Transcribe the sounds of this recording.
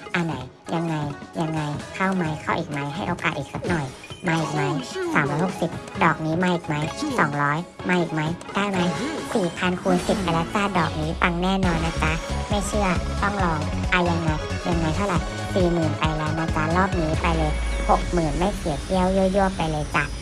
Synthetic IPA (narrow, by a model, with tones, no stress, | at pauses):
ʔa˧na˩˦j | ja˧ŋːa˧jːa˧ŋːa˧jkʰa˥˩wma˦˥jkʰa˥˩wʔiː˨˩k̚ma˦˥jɦa˥˩jʔoː˧ka̰ː˨˩t̪̚ʔiː˨˩k̚sa˦˥t̪̚nɔ˨˩j | maː˧ʔiː˨˩k̚ma˦˥jsaː˨˦mɾɔː˦˥jho˨˩k̚si˨˩p̚dɔː˨˩k̚niː˦˥maː˧ʔiː˨˩k̚ma˦˥jsɔː˨˩˦ŋɾɔː˦˥jmaː˧ʔiː˨˩k̚ma˦˥jd̥aː˥˩jma˦˥jsiː˨˩pʰa˧nkʰuː˧si˨˩p̚ʔa˧jla˦˥t͡ɕaː˥˩dɔː˨˩k̚niː˦˥pa˧ŋnɛː˥˩nɔː˧nːaː˧˩t͡ɕa˦˥ma˥˩jt͡ɕʰɯ˥˩ɐt̪ɔ˥˩ŋlɔː˧ŋʔa˧ja˧ŋːa˧jja˧ŋːa˧jt̪ʰa˥˩wɾa˨˩j | siː˨˩mɯː˨˩npa˧jlɛː˦˥wnaː˧t͡ɕa˦˥lɔː˥˩p̚niː˦˥pa˧jlɤː˧jho˨˩k̚mɯː˨˩nma˥˩jsi˨˩˦ki˦˥˩ə˨wju˥˩˨ju˥˩əpːa˧jlɤː˧jt͡ɕa˨˩